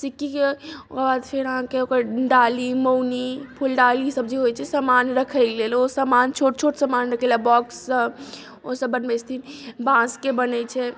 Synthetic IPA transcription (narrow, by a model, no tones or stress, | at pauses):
sikːikeokbad̪pʰeɾəɦãkeokəɾɖalimownipʰulɖalisəb̚d͡ʒeɦojt͡ʃʰɛsamanɾəkʰɛɡlelosamant͡ʃʰoʈt͡ʃʰoʈsamanɾəkʰelabɔksːəb | osəbːənbɛst̪ʰinbãskebənɛt͡ʃʰɛ